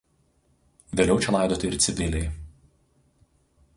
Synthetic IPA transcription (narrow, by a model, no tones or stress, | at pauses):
ʋʲeːlʲɛʊt͡ʃʲɛlˠɑˑɪd̪oːt̪ʲɪɪɾʲt̪sʲɪbʲɪlʲɛɪ